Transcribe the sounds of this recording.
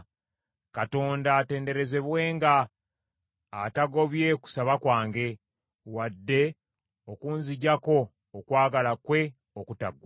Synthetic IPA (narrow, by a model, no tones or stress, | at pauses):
kato̞ːndate̞ːnde̞ɾe̞ze̞βwe̞ːŋɡa | taɡo̞βje̞ku̥saβakwaːŋɡe̞ | wadːe̞ | okuːnziɟako̞ː | kwaːɡalakwe̞ | okuta̰ɡwa